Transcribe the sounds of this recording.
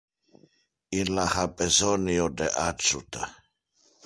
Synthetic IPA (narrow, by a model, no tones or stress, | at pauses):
ilahapɛzɔniod̪ɛʔat͡ʃut̪a